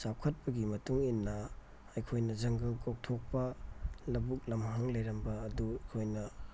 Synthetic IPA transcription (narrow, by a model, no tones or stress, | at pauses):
sawkʰɐt̚pɐɡimɐtuŋinːɐ | ɐjkʰojnɐd͡ʒɐŋɡɐlkok̚tʰok̚pɐlɐbuk̚lɐmɦɐŋlɐjɾɐmbɐːduɐjkʰojnɐ